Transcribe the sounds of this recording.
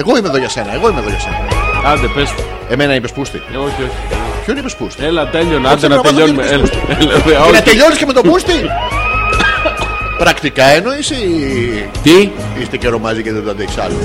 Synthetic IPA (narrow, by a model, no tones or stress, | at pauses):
eɣo̞imeðo̞ʝɐse̞nɐeɣo̞imeðoʝɐse̞̰nɐ̰eɐnd̪epes | e̞menɐipespust̪ḭoçioçi̥epçoinipespust̪ielɐt̪eʎonad̪enɐɐt̪ɐʎonmeeleleveɐnɐt̪eʎoniskcemet̪opust̪i | pɾɐkt̪ikɐenoisi | t̪i | ist̪eceɾo̞mɐziceðet̪ɐðeksɐ̰lo